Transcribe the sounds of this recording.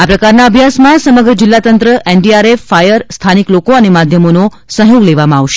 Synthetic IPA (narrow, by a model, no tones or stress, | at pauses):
apɾəkaɾnaəbʱjasmãsəməɡɾəd͡ʒɪlːat̪ənt̪ɾəʔeɳɖiaɾefːajəɾst̪ʰaniklokoənemad̪ʱjəmono | sə̃ɦjoɡleʋamãaʋʃe̥